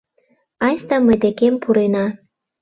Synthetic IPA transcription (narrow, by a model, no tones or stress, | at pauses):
ɑjst̪ɑməjd̪ekempuɾenɑ